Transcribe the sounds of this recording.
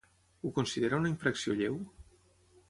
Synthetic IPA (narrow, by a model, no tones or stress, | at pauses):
ukunsiðeɾaunaiɱfɾəksioʎew